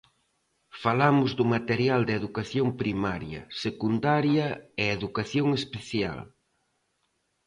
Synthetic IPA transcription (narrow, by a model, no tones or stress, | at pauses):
falamʊzðʊmat̪eɾjald̪eðukaθjompɾimaɾjɐ̰sekund̪aɾjɐeeðukaθjoŋespeθja̰l